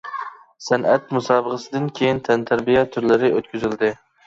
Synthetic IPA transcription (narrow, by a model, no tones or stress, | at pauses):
sænʔɛt̪musɑːbəʁəsɨd̪ɪnkʲʰejint̪ʰɛnt̪ʰæɾbijɛt̪ʰːyɾlɪɾɪʔøt̪kʲyzɪld̪ɪ